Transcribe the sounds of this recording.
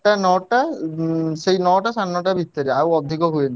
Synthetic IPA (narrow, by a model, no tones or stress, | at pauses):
anɔʈa | ʃejnɔʈasanːɔʈabit̪ːaɾiawɔd̪ʱikɔɦujen